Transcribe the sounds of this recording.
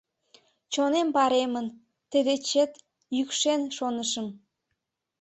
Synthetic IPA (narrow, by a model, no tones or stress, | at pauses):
t͡ɕonempɑɾemən | t̪əd̪et͡ɕet̪ | jykʃenʃonəʃəm